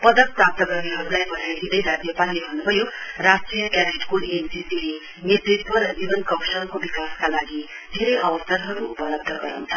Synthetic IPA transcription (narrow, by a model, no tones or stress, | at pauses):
pʌd̪ʌk̚prap̚t̪ʌɡʌɡiɦʌɾulajbʌnajed̪id̪ʌjɾad͡zjʌpalːebʱʌnːubʱʌjorasʈijʌkabeʈkulend͡zisile | net̪rit̪wʌɾʌd͡ʒibʌnkʌwsʌnkobikaskalaɡi | d̪ʱeɾʌjʔʌwʌsʌɾɦʌɾuupʌlʌb̚d̪ʱʌɡʌɾa̰w̃nt͡sʰʌ̥